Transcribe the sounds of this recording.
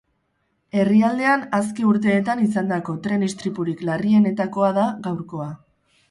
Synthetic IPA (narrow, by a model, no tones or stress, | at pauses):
e̞riald̪e̞anaskeuɾt̪̬e̞ːt̪anisand̪ako̞t̪ɾe̞nist̪ɾipuɾiklarie̞ne̞t̪ako̞aðaɣawɾko̞a